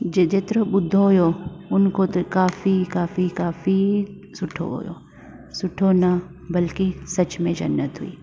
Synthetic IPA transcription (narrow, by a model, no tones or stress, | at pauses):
d͡ʒed͡ʒeːt̪ɾobʊd̪ʱːoɦʊjoʊnkot̪okaːfikaːfikaːfi | sʊʈʰo̰ɦo̰jo̰ː | sʊʈʰonɐ | bɐlkisɐt͡ʃmẽd͡ʒɐ̰nːət̪ɦʊḭː